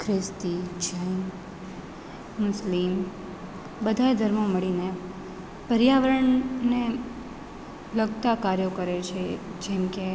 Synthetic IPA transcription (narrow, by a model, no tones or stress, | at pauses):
kʰɾɪst̪id͡ʒən | mʊslim | bəd̪ʱaed̪ʱəɾmoməɭine | pəɾjaʋəɾəɳne | ləɡt̪akaɾjokəɾet͡ʃʰed͡ʒɛmke